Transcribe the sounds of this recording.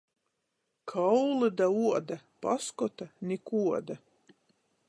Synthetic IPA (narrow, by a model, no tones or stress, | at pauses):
kʰawlˠɨd̪auɔd̪apa̰skɔt̪anʲikuɔd̪a